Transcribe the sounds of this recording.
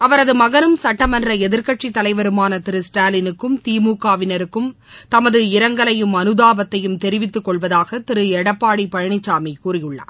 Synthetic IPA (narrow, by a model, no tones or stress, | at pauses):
ɐʋɐɾɐðɯmɐɣɐɾɯmsɐʈːɐmɐndrɐɛðɪɾkɐʈʂit̪ːɐlɐɪʋɐɾɯmaːnɐt̪ɪɾɯsʈaːlɪnɯkːɯmt̪iːmuːkaːʋɪnɐɾɯkːɯmt̪ɐmɐðɯɪɾɐŋɡɐɭɐjɯmɐnɯðaːbɐt̪ːɐjɯmt̪ɛɾɪʋɪt̪ːɯkːɔɭʋɐðaːɣɐt̪ɪɾɯɛɽɐpːaːɽipɐɻɐɳɪt͡ʃːaːmikuːrɪjɯɭːɐ̰